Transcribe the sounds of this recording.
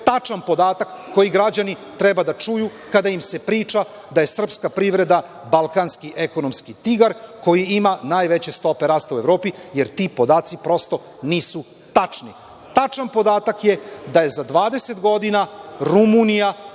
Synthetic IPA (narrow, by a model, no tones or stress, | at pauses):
t̪at͡ʃanpo̞d̪aːt̪akːo̞jiɡɾad͡ʑanit̪ɾebad̪at͡ʂuju | kad̪aimse̞pɾiːt͡ʃa | d̪aje̞sr̩pskapɾiʋɾe̞d̪a | balˠkanskiʔeko̞no̞mskit̪iɡaɾko̞jiimanaːjʋe̞t͡ɕe̞st̪o̞pe̞ɾaːst̪aue̞vɾo̞ːpijeɾt̪ipo̞d̪aːt̪sipɾo̞st̪o̞ | niːsu | t̪at͡ʂni | t̪at͡ʃanpo̞d̪aːt̪akje̞d̪aje̞zad̪ʋaːd̪e̞se̞t̪ɡo̞d̪inaɾumunija